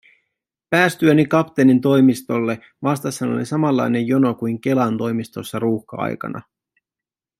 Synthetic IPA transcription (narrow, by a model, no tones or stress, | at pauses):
pæːst̪yønikɑpt̪enint̪̬o̞jmist̪o̞lːe̞ | ʋɑst̪ɑsːɑno̞̰lisɑmɑlːɑ̰jne̞jjo̞no̞kujŋk̟e̞lɑnt̪o̞jmist̪o̞sːɑɾuːxkɑ̰ɑ̰jkɑ̰nɑ̰